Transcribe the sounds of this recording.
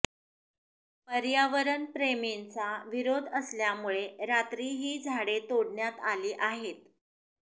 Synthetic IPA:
pəɾjaʋəɾənpɾement͡saʋiɾod̪ʱəsljamuɭeɾat̪ɾiːɦiːd͡zʱaɽet̪oɽɳjat̪aliːʔaɦet̪

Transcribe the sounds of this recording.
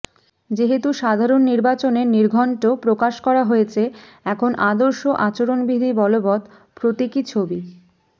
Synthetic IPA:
d͡ʑeɦet̪uʃad̪ʱaɾonːiɾbat͡ɕoneɾniɾɡʱɔɳʈopɾokaʃkɔɾaɦojet͡ɕʰe | ɛkʰonʔad̪oɾʃoʔat͡ɕoɾonbid̪ʱibɔlobɔt̪ | pɾot̪ikit͡ɕʰobi

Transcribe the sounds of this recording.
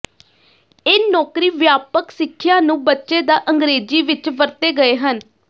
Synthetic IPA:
eːnɔːkɾiːʋjaːpəksɪkʰːjãːnũːbətːʃeːd̪aːʔəŋɡɾeːd͡ʒiːʋɪt͡ʃʋəɾt̪eːɡəeːɦən

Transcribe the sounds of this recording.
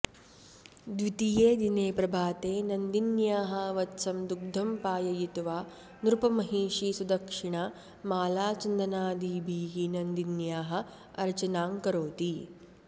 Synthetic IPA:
d̪ʋit̪ijeːd̪ineːpɾɐbʱaːt̪eːnɐnd̪injaːɦɐʋɐt̪sɐmd̪uɡ̚d̪ʱɐmpaːjɐjit̪uʋaː | nɾupɐmɐɦiːʂisud̪ɐkʂiɳɐ | maːlaːt͡ʃɐnd̪ɐnaːd̪iːbʱiːɡinɐnd̪injaːɦɐ̆ | ɐɾt͡ʃɐnaːŋkɐɾoːt̪i

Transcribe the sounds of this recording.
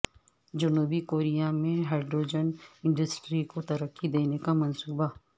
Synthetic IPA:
d͡ʒɐnuːbikoːɾijamẽɦɛːɾɖɾoːd͡ʒənɪ̃ɳɖəsʈɾikot̪ɐɾəkːid̪eːnekamɐnsuːba

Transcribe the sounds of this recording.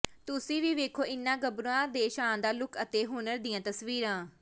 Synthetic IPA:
t̪ʊsĩːʋiːʋeːkʰoːɪnːãːɡəbɾuãːd̪eːʃãːnd̪aːlʊkʰət̪eːɦʊːnəɾd̪iːãːt̪əsʋiːɾãː

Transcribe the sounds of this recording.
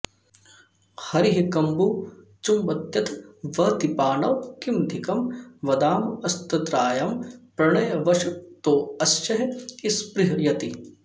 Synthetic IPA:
hɐɾiɦikɐmbuː | t͡ʃumbɐt̪jɐt̪ʰʋɐt̪ipaːnɐwkimd̪ʱɪkɐmʋɐd̪aːmɐst̪ɐt̪ɾaːjɐmpɾɐɳɐjɐʋɐʃut̪oːɐst͡ʃɐɦɪspɾɪɦɐjɐt̪i

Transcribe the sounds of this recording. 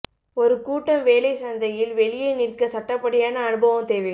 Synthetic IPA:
ɔɾɯkuːʈːɐmʋeːlɐɪsɐnd̪ɐjɪlʋɛɭɪjɐɪnɪrkɐsɐʈːɐpːɐɽɪjaːnɐːnɯbɐʋɯmt̪eːʋɐ

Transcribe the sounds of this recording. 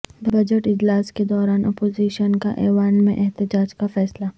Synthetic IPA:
bɐd͡ʒəʈɪd͡ʒlaːsked̪ɔːɾaːnɐpoːziːʃənka̰ʔɛːʋaːnmẽʔɛɦt̪ɪd͡ʒaːd͡ʒkafɛːsla

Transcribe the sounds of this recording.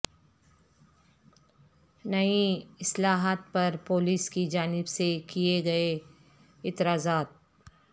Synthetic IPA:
nɐiɪslaːɦət̪̚pɐɾpoːliːskid͡ʒaːnɪbsekieɡɐe | ɪt̪ɾaːzaːt̪̚

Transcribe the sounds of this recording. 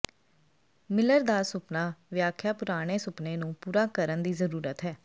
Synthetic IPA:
mɪləɾd̪aːsʊpnaːʋɪjaːkʰjaːpʊɾaːɽ̃eːsʊpneːnũːpuːɾaːkəɾənd̪iːzəɾuːɾət̪ɦɛː

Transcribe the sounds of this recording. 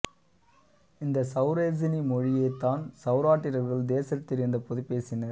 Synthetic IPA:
ɪnd̪ɐsɐʊɾeːd͡ʒɐnimɔɻɪjɐɪt̪ːaːnsɐʊɾaːʈːɪɾɐɾɣɐɭd̪eːsɐt̪ːɪɾɯnd̪ɐpɔðɯpːeːsɪnɐɾ

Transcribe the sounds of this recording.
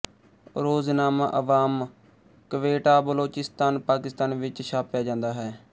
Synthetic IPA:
ɾoːznaːmaʔəʋaːm | kəʋeːʈaːbəloːt͡ʃɪst̪aːnpaːkɪst̪aːnʋɪt͡ʃʃaːpjaːd͡ʒãːnd̪aːɦɛː

